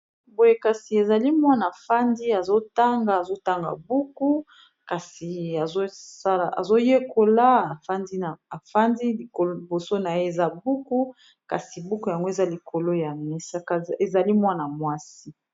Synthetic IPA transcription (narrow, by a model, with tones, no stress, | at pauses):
bo˨je˦ka˨si˨e˨za˨li˦mwa˦na˨fa˦ndi˦a˨zo˦ta˦ŋɡa˨a˨zo˦ta˦ŋɡa̰˨bu˦ku˦ | ka˨si˨a˨zo˦sa˦la˨a̰˨zo˦je˦ko˨la˦a˨fa˦ndi˦na˨a˨fa˦ndi˦li˨ko˨lo˦i˨bo˨so˦na˨je˦e˨za˦bu˦ku˦ | ka̰˨si˨bu˦ku˦ja˨ŋɡo˦e˨za˦li˨kʰo˨lo˦ja˨mɛ˦sa˦ka˨e˨za˨li˦mwa˦na˨mwa˦si˦